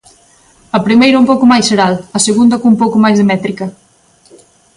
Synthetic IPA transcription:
əpɾimejɾɐumpowkumajsəɾaləseɣund̪əkumpokumajzðemɛt̪ɾikɐ

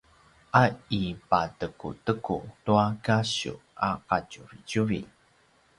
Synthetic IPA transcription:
ʔaipatəkṵtəkṵtuakaɕṵa̰qacuɾicuɾḭ

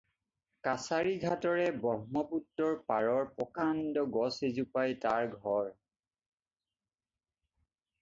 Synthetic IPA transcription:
kasaɹiɡʱatɔɹɛbɔɦmɔputːɔɹpaɹɔɹpɔkandɔɡɔsezupajtaɹɡʱɔɹ

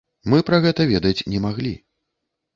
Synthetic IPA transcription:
mɨpɾɐɣɛt̪ɐvʲɛd̪ɐt͡sʲnʲɛmaɣlʲḭ

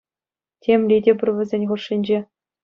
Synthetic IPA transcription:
tʲʰemʲlʲidʲebʲɘ̆rʲʋʲɘ̆zʲenʲχurʂːinʲd͡ʑe

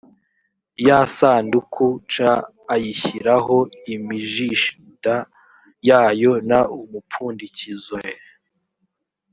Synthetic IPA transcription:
jasaːndukʰut͡ʃaː | jiçiɾaɦo̞imiʒiʃ | da | jaːjo̞naumupuːndicizoe

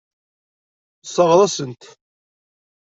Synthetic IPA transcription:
sˤəʁɾˤɑsənt̪

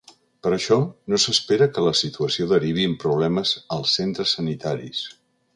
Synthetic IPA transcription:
pəɾəʃɔnosəspeɾəkələsit̪uəsioðəɾiβiəmpɾuβlɛməzəlˠsːent̪ɾəsːənit̪aɾḭs

